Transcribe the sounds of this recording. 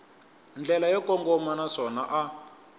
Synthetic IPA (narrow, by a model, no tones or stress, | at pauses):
nd͡ɮʱɛlajɔkɔŋɡɔmanaʂɔnaʔa